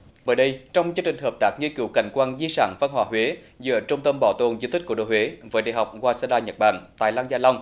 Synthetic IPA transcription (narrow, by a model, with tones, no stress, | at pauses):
ɓəː˧˩jɗə˧jt͡ɕɔ˧wŋ͡mt͡ɕɨ˧ŋt͡ɕï˨˩ŋ̟ɦəː˨˩p̚t̪aː˦˥k̚ɲi˧əki˧˩˦wka̰˧˩jŋ̟kwaː˧nzi˧sa̰ː˧˩nva˧nhwaː˧˩ɦwe˨˦ | zɨ̰˧˨˦t͡ɕə˧ŋ͡mt̪ə˧mɓɔ˧˩t̪o˨˩nzi˧t̪i̟˦˥ku˧˩ɗo̰˧˨hwe˨˦vəː˨˦jɗa̰˧˨ɦa˨˩wk͡p̚ɣwaː˧sa˧ɗaː˧ɲə˨˩t̚ɓa̰ː˧˨˩nt̪a̰ː˧˨jlaː˧ŋzaː˧lɔ˧wŋ͡m